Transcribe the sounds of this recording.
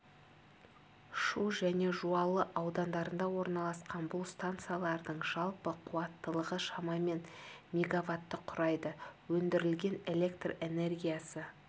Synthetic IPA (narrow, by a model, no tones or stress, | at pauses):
ʃuʒæne̞ʒuɑlˠəʔɑwd̪ɑnd̪ɑɾənd̪ɑwo̞ɾnɑlˠɑsqɑnbʊlˠst̪ant̪sɨjalˠɑɾd̪əɴʒɑlˠpəqʰʊwɑt̪ːəlˠəʁəʃɑmɑme̞nmʲeɡavat̪ːəqʰʊɾɑjd̪əwɵnd̪ɪɾɪlɡʲe̞ne̞le̞kt̪re̞ne̞rɡʲijasə